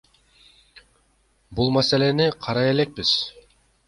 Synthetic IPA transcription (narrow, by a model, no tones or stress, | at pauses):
bulˠmase̞le̞niqʰɑɾɑje̞le̞k̚biz̥